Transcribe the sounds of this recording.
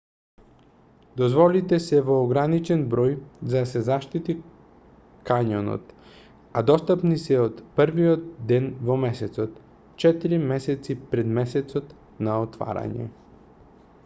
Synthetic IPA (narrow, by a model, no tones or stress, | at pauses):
d̪ozvɔlit̪ɛsɛvoːɡɾanit͡ʃɛnbɾojzad̪asɛzaʃt̪it̪i | kaɲono̰t̪ | ad̪ɔst̪apnisɛot̪pəɾviot̪̚d̪ɛnvomɛsɛt̪sot̪ | t͡ʃɛt̪iɾimɛsɛt̪sipɾɛd̪mɛsɛt̪sot̪ | naot̪va̰ɾa̰ɲɛ̰